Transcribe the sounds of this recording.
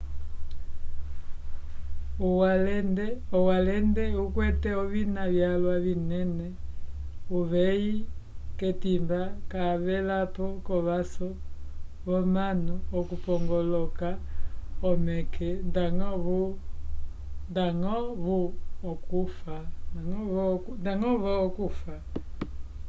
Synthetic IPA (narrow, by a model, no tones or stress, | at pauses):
ualɛnɛɔwalɛndɛukwɛtɛɔβinaβjalwaβinɛnɛ | uβɛjikɛtimbakaβɛlapɔkɔβasɔβɔmanuɔkupɔŋɡɔlɔkaɔmɛkʰɛndaŋɔβu | ndaŋɔβuɔkufanaŋɔβɔkndaŋɔβɔːkufa